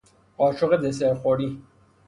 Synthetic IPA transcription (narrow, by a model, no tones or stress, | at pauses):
qɒːʃʰoɣed̪eseɾxoɾi